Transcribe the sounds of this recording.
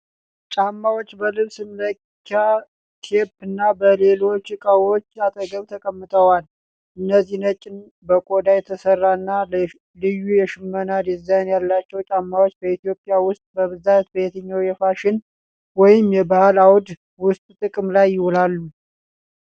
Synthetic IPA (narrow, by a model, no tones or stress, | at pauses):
t͡ʃʼamːawot͡ʃːbəlɨβsɨmlə | kʰːa | kʰe̞pːɨnːabəle̞lo̞t͡ʃːkʼawot͡ʃːat̪ʼəɡəβt̪ʰəkʼəmːɨt̪ʰəwal | ʔɨnːəzːihnət͡ʃʼːɪn | bəkʼod̪ajɛt̪ʰəsərːanːa | lɨjːujɛʃɪmːənad̪jɛzːanjalːat͡ʃːɛwt͡ʃʼamːawot͡ʃːbəit̪ijo̞pʼjawʊst̪ʼbəβɨzat̪̚bəjɛt̪ʰəɲːawjɛfaʃɪn | wɔjɪmjɛbahalawd̪ | wʊst̪ʼt̪ʼɨkʼmlajːɪhɔlalːu